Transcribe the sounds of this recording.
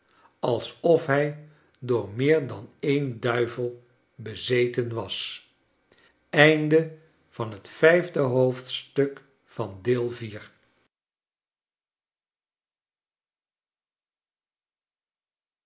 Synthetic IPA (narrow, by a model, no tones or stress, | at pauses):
ɑlˠsɔfɦɛj | dʊːɹmɪːɹdɑnejndœɥvəlˠ | bəzejtənʋɑs | ɛjndə | v̥ɑnɦətfɛjvdəɦowftstɵk | fɑndɪːlˠviːɹ